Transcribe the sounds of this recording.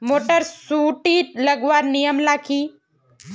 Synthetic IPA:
moːʈəɾsuːʈiːt̪ləɡʋaːɾnijəmlaːkʰiː

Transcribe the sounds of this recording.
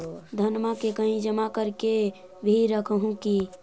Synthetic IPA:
d̪ʱənmakekəɦĩd͡ʒəmakəɾke | bʱiɾəkʰəɦũki

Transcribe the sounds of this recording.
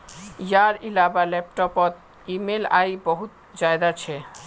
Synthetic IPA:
jaɾilabalɛp̚ʈɔpɔt̪̚ | imela̰jbɔɦut̪ | d͡ʑaed̪at͡ɕʰe

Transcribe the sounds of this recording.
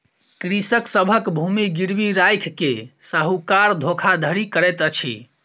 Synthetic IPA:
kɾisəksəbʱəkbʱumiɡiɾbiɾajkʰːesaɦukaɾd̪ʱokʰad̪ʱəɾikəɾɛt̪ət͡ʃʰḭ

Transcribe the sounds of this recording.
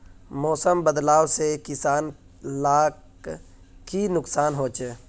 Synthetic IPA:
mɔːsəmbəd̪laːwsekɪsaːn | laːk | kinʊksaːnɦoːt͡ʃe

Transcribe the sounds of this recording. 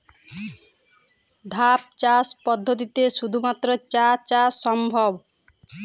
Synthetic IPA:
d̪ʱap̚t͡ʃaspɔd̪ʱːot̪̬it̪eʃud̪ʱumat̪ːɾɔt͡ɕat͡ʃasɔmbʱɔb

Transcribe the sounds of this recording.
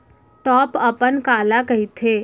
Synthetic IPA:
ʈɔːpɐpənkaːlakɐɦit̪ʰeː

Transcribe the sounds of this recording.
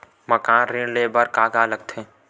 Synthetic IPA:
məkaːnɾɪ̃ɽlebəɾkaːɡaləɡ̚t̪ʰeː

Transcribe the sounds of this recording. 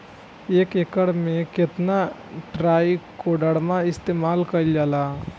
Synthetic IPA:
eːkekəɽmẽkɪt̪naʈɾaːikoɖəɽmaɪst̪eːmaːlkəld͡ʒaːla

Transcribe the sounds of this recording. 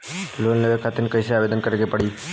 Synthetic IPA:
loːnleʋəkʰat̪ɪnkəseaːʋed̪ənkəɾeɡepəɽiː

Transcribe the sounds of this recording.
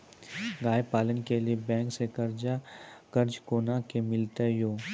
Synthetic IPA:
ɡaːjpaːlənkeliebɛ̃ːŋksekɐɾd͡ʒakɐɾd͡ʒkoːnakemɪlt̪ejoː

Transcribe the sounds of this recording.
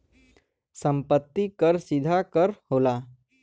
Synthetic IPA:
səmpət̪ːikəɾsid̪ʱakəɾhola

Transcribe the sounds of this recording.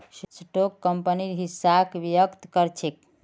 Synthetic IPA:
ssʈokːəmpəniɾɦisakʋijəkt̪kəɾt͡ʃʰek̚

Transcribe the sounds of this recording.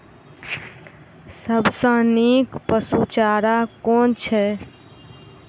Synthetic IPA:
səbsə̃nikpəsut͡ʃaɾakont͡ʃʰɛ

